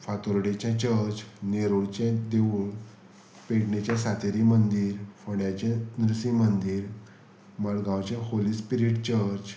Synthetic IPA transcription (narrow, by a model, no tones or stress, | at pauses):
fat̪oɾɽet͡ɕãt͡ɕəɾd͡ʑneɾoɽt͡ɕãd̪eʋuɭ | peɽɳet͡ɕjãsat̪eɾimənd̪iːɾfəɽjat͡ɕãnɾusĩmənd̪iːɾ | maɭɡãwt͡ɕaholispiɾiʈt͡ɕəɾd͡ʑ